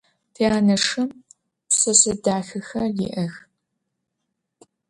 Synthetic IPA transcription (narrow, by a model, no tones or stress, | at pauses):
tʰeːaːnɐʂɐm | sɨsɨdaːxɨxɐlḭːʔɐx